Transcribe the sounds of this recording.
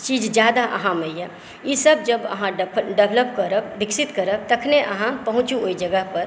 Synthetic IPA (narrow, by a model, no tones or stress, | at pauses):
t͡ʃiːd͡ʒd͡ʒjaːd̪aʔɐ̰ɦãməiɛ | jisəb̚d͡ʒəbə̰ɦãɖɖeʋləpkəɾəd̪ɪksɪt̪kəɾəb̚t̪əkʰneʔəɦãpəɦʊ̃t͡ʃuoid͡ʒəɡəɦpɐɾ